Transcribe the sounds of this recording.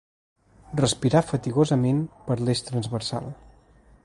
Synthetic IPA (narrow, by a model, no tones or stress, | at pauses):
rəspiɾafət̪iɣozəmenpəɾleʃt̪ɾənzβəɾsa̰lˠ